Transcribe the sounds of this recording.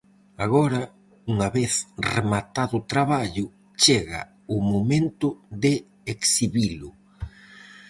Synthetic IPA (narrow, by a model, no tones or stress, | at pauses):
aɣɔɾɐ | uŋaβeθremat̪aðʊt̪ɾaβaʎʊ | t͡ʃeɣa̰ | ʊmomẽnt̪ʊðɪ | eksiβilʊ